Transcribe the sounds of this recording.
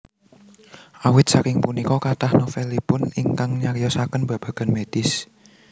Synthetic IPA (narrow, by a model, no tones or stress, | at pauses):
ʔawɪt̪̚sakɪŋpunikɔkat̪ahnofelipʊniŋkaŋɲakjɔsakənbä̤b̥ä̤ɡ̥a̤nmed̪̥ɪs